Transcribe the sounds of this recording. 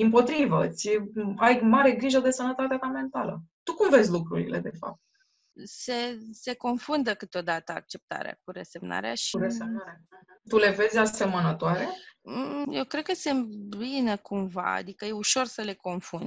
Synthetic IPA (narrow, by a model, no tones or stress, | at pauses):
impo̞t̪ɾivət̪sʲajmaɾe̞ɡɾiʒəd̪e̞sənət̪at̪eat̪ame̞nt̪alə̰t̪ukumve̞zʲlukɾuɾḭle̞̰d̪e̞fa̰p̚t̪̚ | se̞se̞ko̞nfund̪əkɨt̪o̞d̪at̪əa̰k̚t͡ʃe̞p̚t̪a̰ɾea̰kuɾese̞mna̰ɾeaʃiɾeseat̪ule̞ve̞zʲase̞mənət̪oaɾe̞ | jewkɾe̞d̪̚kəsemt̪binekumva̰a̰d̪ikəje̞uʃo̞rsəle̞ko̞nfund̪